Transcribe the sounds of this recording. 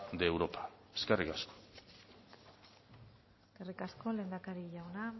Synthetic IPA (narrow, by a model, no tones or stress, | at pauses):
d̪eːwɾopḁe̥skerikasko̥ | eskerikasko̞le̞ːnd̪akaɾiʝawna